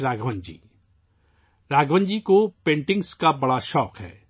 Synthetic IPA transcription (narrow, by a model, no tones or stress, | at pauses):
ɾaːɡʱʋə̃ɲd͡ʒḭː | ɾaːɡʋə̃nd͡ʒikopẽːɳʈɪ̃ŋɡskabɐɽaʃɔːkɦɛ̰ː